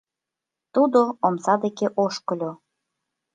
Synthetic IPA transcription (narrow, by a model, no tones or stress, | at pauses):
t̪ud̪oomsɑd̪ekeʔoʃkɤ̆lʲo